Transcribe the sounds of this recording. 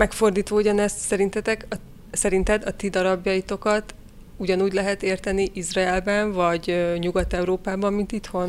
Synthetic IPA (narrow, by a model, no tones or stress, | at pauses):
mɛkfo̞rd̪iːt̪ʋouɟɒnɛst̪sɛɾint̪ɛt̪ɛkɒ | sɛɾint̪ɛd̪ɒt̪id̪ɒɾɒbjɒjit̪o̞kɒt̪ | uɟɒnuːɟlɛɦɛt̪eːrt̪ɛniʔizraɛlbɛɱvɒɟøɲuɡɒt̪ɛuɾoːpaːbɒmːint̪it̪ho̞n